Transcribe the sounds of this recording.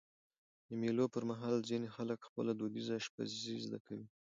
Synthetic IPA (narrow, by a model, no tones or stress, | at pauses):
d̪əmilopəɾmaɦɑlzinexaləkxpəlad̪od̪izaʃpa̰zizd̪akawi